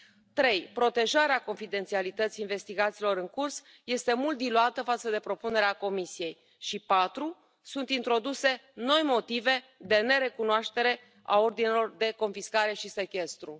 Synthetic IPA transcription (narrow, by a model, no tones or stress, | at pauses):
t̪ɾe̞jpɾo̞t̪e̞ʒaɾeako̞nfid̪e̞nt̪sialit̪ət̪siːnve̞st̪iɡat̪siːlo̞ɾɨŋkurs | je̞st̪e̞mult̪̚d̪iluat̪əfat̪səd̪e̞pɾo̞pune̞ɾeako̞misije̞j | ʃipat̪ɾu | sunt̪int̪ɾo̞d̪use̞no̞jmo̞t̪ive̞ | d̪e̞ne̞ɾe̞kunoaʃt̪e̞ɾe̞ | a̰o̞rd̪inelo̞rd̪e̞ko̞nfiskaɾe̞ʃise̞kʲe̞st̪ɾu